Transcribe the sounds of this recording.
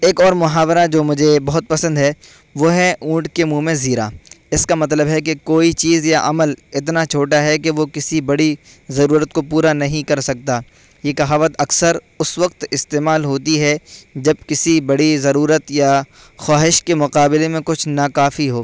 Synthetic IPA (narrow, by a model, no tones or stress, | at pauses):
eːkɔːɾmʊɦaːʋɾad͡ʒoːmʊd͡ʒʱebɐɦʊt̪̚pɐsə̃nd̪ɦɛː | ʋoɦɛʔũːʈkemumẽziːɾa̰ːɪskamɐt̪̬ləbɦɛk̬ekoːit͡ʃiːzjaʔɐməlɪt̪̬nat͡ʃʰoːʈaɦɛk̬eʋokɪsibɐɽi | zɐɾuːɾət̪̚kopuːɾanɐɦĩkɐɾsɐk̚t̪aː | jekɐɦaːʋət̪ɐksəɾ | ʊsʋɐqt̪ɪst̪eːmaːlɦoːt̪iɦɛd͡ʒɐb̚kɪsibɐɽizɐɾuːɾət̪ja | xaːɦɪʃkemʊqaːbɪlemẽkʊt͡ʃʰnakaːfiɦoː